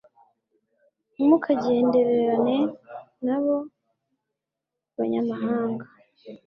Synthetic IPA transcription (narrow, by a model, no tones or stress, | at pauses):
mukʰaɟe̞ːnde̞ɾe̞ɾane̞naβo̞ | βaɲamaɦaːŋɡa